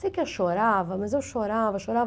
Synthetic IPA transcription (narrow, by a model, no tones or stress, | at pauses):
sejkewʃoɾavɐmɐzewʃoɾavɐʃoɾav